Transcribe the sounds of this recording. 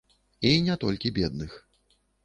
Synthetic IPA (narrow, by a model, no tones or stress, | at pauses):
inʲɛt̪ɔlʲkʲibʲɛd̪̚nɨx